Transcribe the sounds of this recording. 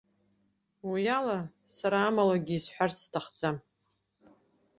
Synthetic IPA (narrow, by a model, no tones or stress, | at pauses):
wijalasaɾaːmalaɡʲiisħʷᶣarstʰaχd͡zam